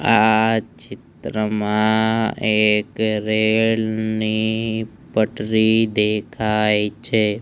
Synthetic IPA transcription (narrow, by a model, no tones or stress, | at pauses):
at͡ʃɪt̪ɾəmãekɾelni | pəʈɾid̪ekʰajt͡ʃʰe